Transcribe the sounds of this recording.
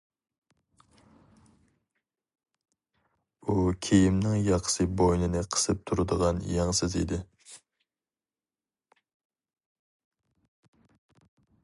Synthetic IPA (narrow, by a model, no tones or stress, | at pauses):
ukʲʰejɪmnɪŋjɑqʰsɨbojnɨnɨqʰə̥sɨp̚t̪ʰuɾɨd̪əʁɑnjɑŋsɪzḭd̪ɪ